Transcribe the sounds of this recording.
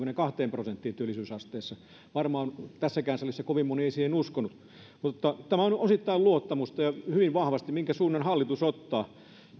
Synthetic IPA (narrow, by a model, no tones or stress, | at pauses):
kunekɑht̪eːmprosent̪ːiːnt̪yølːˑisyːsɑst̪eːsːɑ | ʋɑrmɑːnt̪æsːækæːnsolisːekoʋimmonieˑisiːhenuskonut̪ | mut̪ot̪ːɑt̪æmæonʔosit̪ːɑiluot̪ːɑmust̪ɑjɑhyʋiʋʋɑhʋɑst̪immiŋkæsuːnːenhɑlːit̪usot̪ːɑː